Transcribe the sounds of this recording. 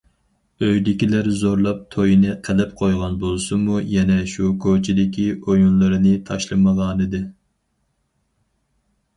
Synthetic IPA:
øjd̪ɪkʲilæɾzoɾlˠɑp̚t̪ʰojinɨqʰɛlɪp̚qʰojʁɑnbolˠsumujɛnɛʃukʰot͡ʃʰɪd̪ɪkʲiojunlˠɨɾɨnɨt̪ʰɑʃlˠɨməʁɑːnɨd̪ɪ

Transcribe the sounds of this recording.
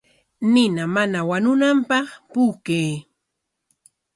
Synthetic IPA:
nɪnamanawanʊnampɑχpuːkeː

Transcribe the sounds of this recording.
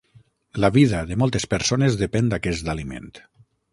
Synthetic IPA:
laβiðaðemɔlˠt̪espeɾsonezðəpɛnd̪akɛsd̪alimḛnt̪

